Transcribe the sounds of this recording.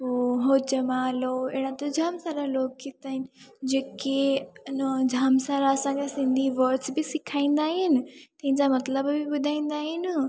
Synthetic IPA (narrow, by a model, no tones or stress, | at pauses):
poːɦoːd͡ʑəmaːloɪːɽ̃at̪od͡ʑʱaːmsaːɾaloːk̚kit̪aːɦɪnɪd͡ʑeːkenəd͡ʑʱaːmsaːɾaɐsãŋkʰesɪ̃nd̪ʱiʋɐɾʈsbɪsɪkʰaːĩːn̆d̪aːɦɪnɪ̆t̪ɐ̃ɦɪ̃ɲd͡ʑamɐt̪ləbːɪbʊd̪ʱaːĩːn̆d̪aːɦɪnɪ